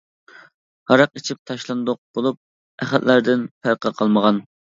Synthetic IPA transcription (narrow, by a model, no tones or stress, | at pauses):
hɑɾɑqit͡ʃʰip̚t̪ʰɑʃlˠɑnd̪oq̚b̥olˠup̚ | æχælʔlæɾd̪ɪnpʰæɾqʰɑqʰɑlˠməʁɑn